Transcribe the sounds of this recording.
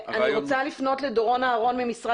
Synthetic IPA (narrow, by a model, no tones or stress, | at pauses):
aniʁot͡salifno̞tledoʁo̞naːʁo̞nmemisʁa